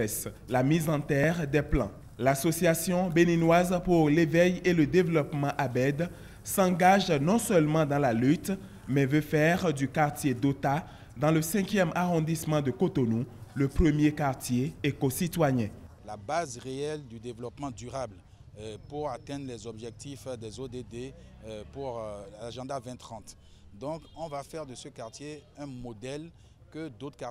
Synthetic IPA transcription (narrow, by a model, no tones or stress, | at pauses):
ɛs | lamizɑ̃t̪ɛʁd̪ɛplɑ̰̃ | lasɔsjasjɔ̃beninwazpuʁlevɛjeləd̪evəlɔpmɑ̃ʔabɛd̪ | sɑ̃ɡaʒnɔ̃sœlmɑ̃d̪ɑ̃lalyt̪ | mɛvøfɛʁd̪ykaʁt̪jed̪ot̪a | d̪ɑ̃ləsɛ̃kjɛmaʁɔ̃d̪ismɑ̃d̪əkot̪onuləpχəmjekaʁt̪jeːkosit̪wajɛ̃ | labazʁeɛld̪yd̪evlɔpmɑ̃d̪yʁabl | puʁat̪ɛ̃d̪ʁlɛzɔbʒɛk̚t̪ifd̪ɛzod̪ed̪epuʁlaʒɑ̃d̪avɛ̃t̪χɑ̃t̪ | d̪ɔ̃kɔ̃vafɛʁd̪əsəkaʁt̪jeɛ̃mod̪ɛl | kəd̪ot̪ka